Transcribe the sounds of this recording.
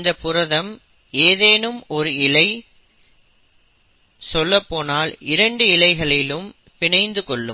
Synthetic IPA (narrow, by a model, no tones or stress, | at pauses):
nd̪ɐpːʊɾɐðɐm | eːðeːnɯmɔɾɯɪlɐɪ | sɔlːɐpːoːnaːlɪɾɐɳɖɯɪlɐɪɣɐɭɪlɯm | pɪɳɐɪnd̪ɯkɔɭːɯ̰m